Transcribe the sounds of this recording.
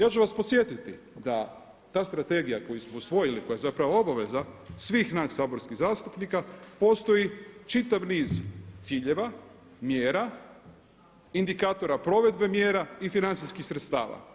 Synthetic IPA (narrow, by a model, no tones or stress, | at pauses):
jaːt͡ʃuʋasposje̞t̪it̪i | d̪a | t̪aːst̪ɾat̪e̞ɡijako̞jusmo̞usʋo̞jiliko̞jajzapɾaʋo̞o̞baʋe̞zasʋiːxnaʃsaːbo̞ɾskiɣzaːst̪upnikapo̞ːst̪o̞jit͡ʃit̪aʋniːzt̪siːʎe̞ʋa | mje̞ːɾa | ind̪ikaːt̪o̞ɾapɾo̞ʋe̞d̪̚be̞mje̞ːɾaifinant̪siskixsɾet̪st̪a̰ːʋa̰